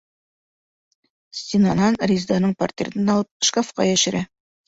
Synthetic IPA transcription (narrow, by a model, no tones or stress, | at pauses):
sʲt̪ʲinanɑnrʲizd̪ɑnɤɴpart̪ʲḛt̪ɘnɑlˠɤp̚ʃkafqɑ̰jæʃɘ̆ɾæ